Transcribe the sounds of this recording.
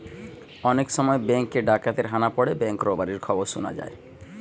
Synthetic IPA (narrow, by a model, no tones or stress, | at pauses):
ɔnekʃɔmɔebɛŋkeɖakat̪eɾɦanapɔɽebɛŋkɾɔbaɾiɾkʰɔboɾʃuna̰d͡ʑa̰e